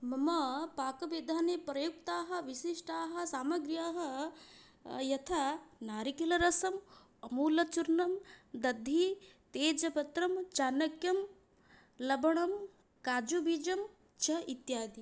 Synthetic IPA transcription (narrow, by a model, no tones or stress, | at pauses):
mɐmɐpaːkɐbed̪ʱaːnepɾɐjuk̚t̪aːɦɐ̆ʋiʃiʂʈaːɦɐ̆saːmɐɡɾjaːɦɐ̆ | jɐt̪ʰanaːɾikilɐɾɐsɐm | ɐmuːlɐt͡ʃuɾnɐmd̪ɐd̪ʱːit̪eːd͡ʒɐpɐt̪ɾɐmt͡ʃaːnɐkjɐm | lɐbɐɳɐm | kaːd͡ʒubʱid͡ʒɐm | t͡ʃʰɐit̪jaːd̪i